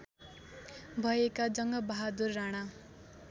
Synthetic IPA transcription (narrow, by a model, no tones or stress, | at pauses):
bʱʌekad͡zʌŋɡʌbaɦad̪urːaɽ̃a